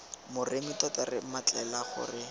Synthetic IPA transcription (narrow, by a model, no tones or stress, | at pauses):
mʊremɪtɔtɛrɪmat͡ɬʼɛlaχʊ̰rɪ